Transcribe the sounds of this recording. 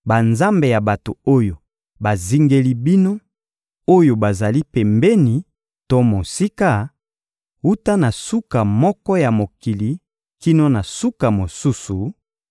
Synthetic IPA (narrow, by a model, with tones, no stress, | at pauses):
ba˨nza˦mbe˨ja˨ba˨to˨o˦jo˨ | ba˨zi˦ŋɡe˦li˦bi˦no˦ | o˦jo˨ba˨za˨li˦pɛ˨mbɛ˦ni˨ | to˦mo˨si˦ka˦ | u˦ta˦na˨su˦ka˨mɔ˦kɔ˦ja˨mo˨ki˨li˨ | ki˦no˦na˨su˦ka˨mo˨su˦su˨